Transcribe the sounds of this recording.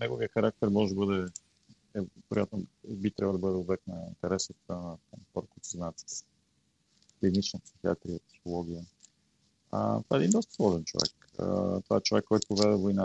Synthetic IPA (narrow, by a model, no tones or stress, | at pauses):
nɛɡoviəxɐɾak̚t̪ɛɾmɔʒɛbɤd̪ɛ | ɛvɛɾʔojat̪nobit̪ɾabvlˠd̪əbɤd̪ɛobɛknəḭnt̪ɛɾɛst̪t̪annət̪apəɾkut̪ɛznaɛt̪sə̥s | klinit͡ʃnəpsi̥xia̰t̪ɾijəpsi̥xolˠɔɡ̟ʲijə | a̰t̪ova̰ɛd̪ind̪ɔst̪əslˠɔʒɛnt͡ʃovɛ̰k | ə̰t̪ova̰ɛt͡ʃovɛkːɔjt̪ʊovɛd̪ɛvoina